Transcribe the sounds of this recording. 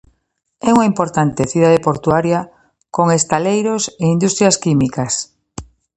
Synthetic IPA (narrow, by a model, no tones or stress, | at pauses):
ɛuŋaimpoɾt̪ant̪eθuð̞aðepoɾt̪uaɾja | koŋest̪alejɾoseind̪ust̪ɾjaskimikas